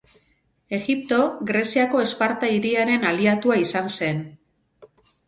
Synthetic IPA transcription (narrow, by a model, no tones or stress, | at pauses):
e̞ɣip̚t̪o̞ɣɾe̞siako̞e̞spaɾt̪aiɾiaɾe̞naliat̪uaisanse̞n